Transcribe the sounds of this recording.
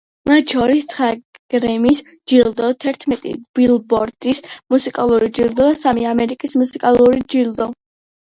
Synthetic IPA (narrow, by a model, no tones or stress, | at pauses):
mat̪ʃɔɾist̪sʰχa | ɡ̥ɾɛmis | d͡ʒilˠd̪ɔt̪ʰɛɾt̪ʰmɛt̪ʼḭb̥ilˠbɔɾd̪̥ismusikʼalˠuɾid͡ʒilˠd̪ɔd̪asamiamɛɾikʼismusikʼalˠuɾid͡ʒilˠd̪ɔ